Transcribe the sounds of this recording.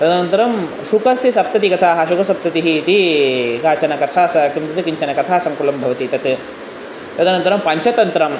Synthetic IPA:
t̪ɐd̪ɐnɐnt̪ɐɾɐm | ʃukɐsjɐsɐp̚t̪ɐt̪ikɐt̪ʰaːɦɐʃukɐsɐp̚t̪ɐt̪iɦiːt̪ikaːt͡ʃɐnɐkɐt̪ʰaːsɐkimt̪ɐt̪ikiɲt͡ʃɐnɐkɐt̪ʰaːsɐmkulɐmbʱɐʋɐt̪it̪ɐt̪ | t̪ɐd̪ɐnɐnt̪ɐɾɐmpɐɲt͡ʃɐt̪ɐnt̪ɾɐm

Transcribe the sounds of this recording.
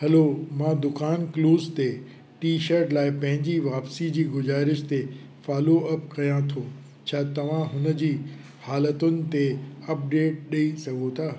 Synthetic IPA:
ɦɐlomãːd̪ʊkaːnkluːzt̪e | ʈiːʃəɾʈlaːɪpɐ̃ɦɪ̃ɲd͡ʑiʋaːpsid͡ʑiːɡʊzaːɾɪʃt̪e | faːloɐpkɐjãt̪ʰoː | t͡ɕʰaːt̪ɐʋ̤ãɦʊnə̆d͡ʑiː | haːlət̪ʊnɪ̆t̪eɐp̚ɖeːʈ̚ɗɐisɐɡʱot̪ʰaː

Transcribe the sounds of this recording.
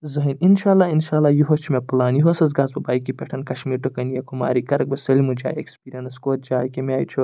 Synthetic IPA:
zɐɦininʃaːlːaːinʃaːlːaːjuɦɐt͡ʃʰimepɐlaːnjiɦoɐsɐz̬ɡaːzbɐbaːjkipʲeʈʰɐnkɐʃmiːɾʈukɐnijɐkuma̰ːɾikɐɾɐk̚bɐsɐlimud͡ʒa̰ːjḛkspiːɾɐnɐskoːt̪̚d͡ʒaːjkimʲaːjt͡ʃʰu

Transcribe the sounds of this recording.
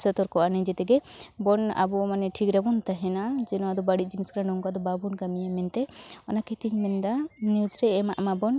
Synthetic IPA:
sɛt̪ɔɾkɔʔanɛd͡ʒɛt̪ɛɡɛbɔna̰bɔmanɛʈʰikɾabɔnt̪aɦɛnad͡ʒɛnɔad̪ɔbaɽit̪̚ˀd͡ʒiniskɾanɔŋkad̪ɔbabunkamijamɛnt̪ɛɔnakɛt̪iɲmɛnd̪anijud͡ʒɾɛɛmaʔmabɔn

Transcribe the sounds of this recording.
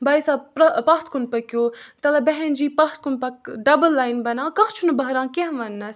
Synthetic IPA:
baːisaːpɾɐpɐxt̪kunpɐkjoːt̪ɐlɐbɛɦend͡ʒiːpɐxt̪̚kunpɐkɖɐbəlːaːjnbɐnãːkɐkt͡ʃʰunɐbɐɦɾãːkeɦʋɐnːɐs

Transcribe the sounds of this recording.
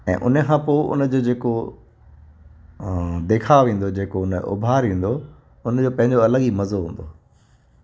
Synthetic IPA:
ɛ̰̃ːʔʊ̰nəkʰãːpoːʔʊ̰nəd͡ʑoːd͡ʑeːko | d̪eːkʰaʋẽːn̆d̪od͡ʑeːkoʊnəʔʊ̰bʱaːɾĩːn̆d̪o | ʊnəd͡ʑoːpɐ̃ɦɪ̃ɲd͡ʑoɐləɠimɐzoɦũːn̆d̪o

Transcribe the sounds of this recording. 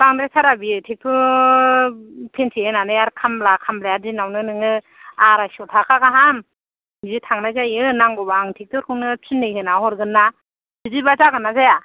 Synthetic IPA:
baŋdɾasʰaɾabitʰek̚tʰu | pʰensʰiɯnanɯjaɾkʰamlakʰamlajaɾzinawnɯnɯŋɯ | aɾasɔtʰakʰakaɦam | zitʰaŋnajzajɯnaŋɡɔbaŋtʰek̚tʰɔɾkʰɯwnɯt͡ʃʰinːɯjhɯnaɦɔɾɡɯnːa | sɯdibazaɡɯnːazaja

